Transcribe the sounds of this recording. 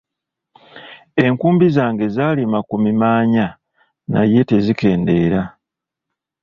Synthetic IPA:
e̞ŋkuːmbizaːŋɡe̞zaːlimakumimaːɲa | na̰je̞te̞zike̞ːnde̞ːɾa

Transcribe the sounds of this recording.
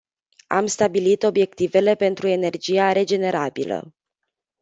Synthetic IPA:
a̰mst̪abilit̪o̞bje̞k̚t̪ive̞le̞pe̞nt̪ɾue̞ne̞rd͡ʒijaɾe̞d͡ʒe̞ne̞ɾabilə̰

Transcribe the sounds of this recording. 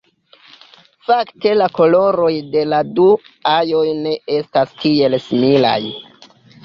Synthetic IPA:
fakte̞lako̞lo̞ɾo̞jde̞ladu | ajo̞jne̞e̞stastie̞lsimila̰j

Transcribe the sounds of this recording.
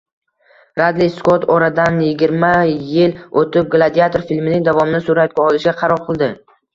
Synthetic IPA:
ɾad̪lɪjskot̪ʰɒɾad̪anjɪɡʲɪɾmajɪlot̪ɪp̚ɡlˠad̪iat̪ʰoɾfilmɪnɪŋd̪avɒmɪnɪsuɾat̪̚ɡʲaɒlˠɪʃɡʲaqʰɑɾɒɾqʰɨlˠd̪ɪ

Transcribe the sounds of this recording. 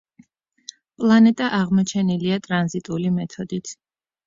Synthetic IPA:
pʼlˠanɛt̪ʼaʔaʁmɔt͡ʃʰɛniliat̪ʼɾanzit̪ʼulimɛt̪ʰɔd̪it̪ʰ

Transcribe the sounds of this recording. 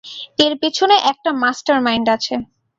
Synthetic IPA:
eɾpet͡ɕʰoneʔɛk̚ʈamasʈaɾmajɳɖat͡ɕʰe

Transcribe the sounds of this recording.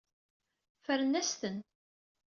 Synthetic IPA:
fəɾənæst̪ən

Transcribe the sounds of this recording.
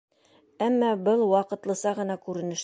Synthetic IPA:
æmːɑbɤlˠwɒqɤ̆t̪lˠɤ̆sɑʁɤ̆nɑkʉɾɘ̆nɘ̆ʃ

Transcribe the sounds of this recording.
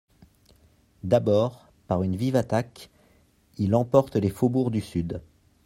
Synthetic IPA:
d̪abɔʁ | paʁynvivat̪ak | ilɑ̃pɔʁt̪lefobuʁd̪ysyd̪

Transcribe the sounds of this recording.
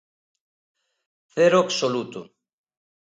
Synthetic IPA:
θeɾoaksolut̪u

